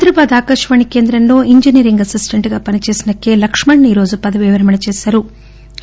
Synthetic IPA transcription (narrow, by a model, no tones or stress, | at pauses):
ɐt̪ɾɐbaːd̪aːkɐʂʋɐɳikeːnd̪ɾɐnːuiɲd͡ʒinijɐɾiŋɡɐsisʈɐɳʈɡɐpɐnit͡ʃeːsinɐkːe̞lɐkʂmɐɳːiːɾo̞ːd͡ʒupɐd̪ɐʋiʋɐɾɐmɐɳɐt͡ʃeːsɐɾu